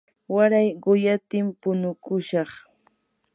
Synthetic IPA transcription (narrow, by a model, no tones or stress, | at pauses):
waɾajɢʊjat̪ɪmpʊnʊkʊʃɑχ